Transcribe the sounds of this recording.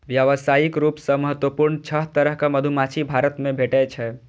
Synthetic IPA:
ʋjəʋəsajikɾupsəməɦət̪wəpuɾnt͡ʃʰəɦt̪əɾəɦkaməd̪ʱumat͡ʃʰibʱaɾət̪mebʱeʈɛt͡ʃʰɛ

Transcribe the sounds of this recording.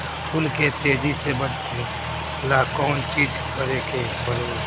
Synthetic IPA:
pʰʊlket̪eːd͡ʒisebəɾt̪ẽ | lːakɔːnt͡ʃiːd͡ʒkəɾeke | bəloː

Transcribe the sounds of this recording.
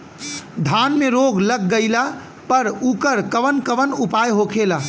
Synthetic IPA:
d̪ʱanmeɾoɡləɡ̚ːəɪla | pəɾukəɾkəʋənkəʋənupajɦokʰela

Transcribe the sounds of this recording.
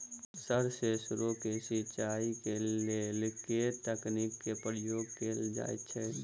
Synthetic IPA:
səɾsesʊɾokesɪt͡ʃaːikelelɪket̪əknikːepɾjoːɡkeːld͡ʒa̰ːḛt͡ʃʰɛː

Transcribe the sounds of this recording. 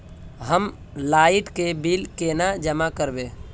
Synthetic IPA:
ɦəm | laːɪʈkebiːlkeːnad͡ʒəmakəɾbẽː

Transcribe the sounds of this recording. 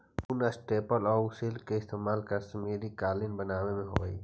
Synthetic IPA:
ʊnəsʈeːpəlɔːʊsilkeɪst̪eːmaːlkɐɾsmeːɾikaːlɪnbənaːʋemẽɦo̰ːɡəiː

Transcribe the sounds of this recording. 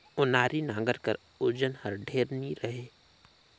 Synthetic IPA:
ʊnaːɾinãːŋɡəɾkəɾ | ʊɾd͡ʒənhəɾɖʱeːɾniɾɐɦeː

